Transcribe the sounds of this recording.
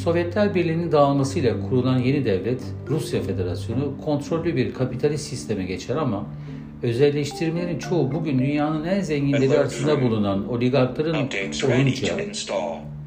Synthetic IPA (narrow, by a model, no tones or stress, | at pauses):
so̞vjɛt̪lʲæɾbiɾlʲiːnind̪aːlˠmasɯjlˠakʰuɾulˠanje̞nid̪ɛvlʲɛt̪ | ɾusjafe̞d̪e̞ɾasjo̞nukʰo̞nt̪ɾo̞lʲːybiɾkʰapit̪ʰalʲist̪ːist̪ʰe̞mɛɟe̞t͡ʃʰɛɾama | ø̞zɛlʲːɛʃt̪ʰiɾmlʲe̞ɾint͡ʃʰo̞ubuɟynd̪ynjaːnɯnænzeɲɟinlʲeɾiaɾasɯnd̪abulˠunano̞lʲiɡaɾklˠaɾɯnojunt͡ʃʰa